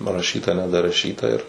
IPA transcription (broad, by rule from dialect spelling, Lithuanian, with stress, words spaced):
pɐrɐˈʃʲiːtɐ nʲɛdɐrɐˈʃʲiːtɐ ɪr